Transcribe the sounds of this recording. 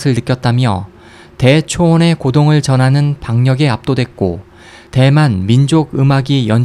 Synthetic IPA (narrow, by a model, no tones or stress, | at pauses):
sʰɯɭnɯk͈jʌt̚t͈amjʌ | te̞t͡ɕʰoːne̞kodoŋɯɭt͡ɕʌnɦanɯnpaŋɲʌɡeap̚t͈odwe̞k̚k͈o | te̞manmind͡ʑoɡɯmaɡijʌn